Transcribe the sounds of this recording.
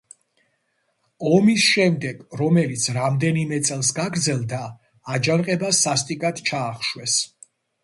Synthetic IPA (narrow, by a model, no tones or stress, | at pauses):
ɔmisʃɛmd̪ɛɡ̥ɾɔmɛlit̪sʰɾamd̪ɛnimɛt̪sʼɛlˠsɡaɡɾd̪zɛlˠd̪aː | d͡ʒanqʼɛbasast̪ʼikʼat̪t͡ʃʰaːχʃwɛs